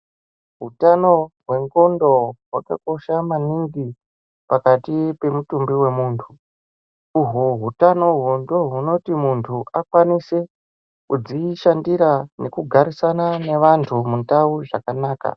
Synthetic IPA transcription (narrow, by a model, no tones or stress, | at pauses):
ɦutano̞ɦwe̞ŋɡo̞ndo̞ɦwa̰ka̰ko̞ʃamaniŋɡi | pakatipe̞mutumbiwe̞muːntʰuː | ɦuɦutanoɦundo̞ɦuno̞timuntʰuʔakwanise̞ | kud͡ziʃandiɾane̞kuɡʱaɾisananeʋantʰumuntauʐakanaːka̰